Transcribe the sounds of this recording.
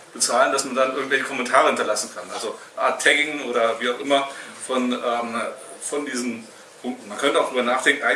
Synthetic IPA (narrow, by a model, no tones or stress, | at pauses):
b̥ət͡saːləndasmandanʔɪɐɡŋtvɛlçəkʰɔmɛntʰaːʁ̞əhɪntɐlasn̩kʰanʔalzo | ʔa̰ɐtʰːɛɡɪŋʔoːɾɐviːaʊxʔɪmɐfɔnʔɛːmfɔndiːzn̩ | pʰʊŋktn̩mankʰœntəaʊd̥ʁyːbɐnaːχd̥ɛŋkn̩ʔaɪ